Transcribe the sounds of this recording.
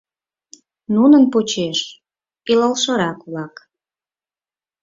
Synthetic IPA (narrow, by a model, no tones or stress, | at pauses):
nunənpot͡ɕeʃ | ilɑlʃə̆ɾɑkβlɑk